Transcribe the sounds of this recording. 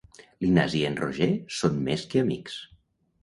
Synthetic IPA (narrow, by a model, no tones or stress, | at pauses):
linazienroʒesonmeskeamḭks